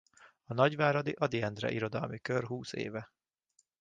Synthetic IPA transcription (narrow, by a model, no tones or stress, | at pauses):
ɒnɒɟʋaːɾɒd̪iʔɒd̪iɛnd̪rɛ̰ʔiɾo̞d̪ɒ̰lmikørɦuːsḛːvɛ